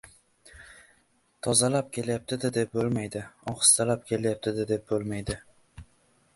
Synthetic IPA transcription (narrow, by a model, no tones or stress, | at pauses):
t̪ʰɒzalap̚kʲʰe̞ljap̚t̪ʰɪd̪ɪd̪e̞p̚bolˠmajd̪ɪɒχɨ̥st̪ʰalap̚kʲʰe̞ljap̚t̪ʰɪd̪ɪd̪e̞p̚bolmajd̪ɪ